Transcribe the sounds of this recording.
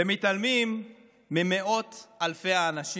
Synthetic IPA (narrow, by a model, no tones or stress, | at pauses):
emit̪almimː | ime̞ʔo̞t̪alfe̞jaːnaʃi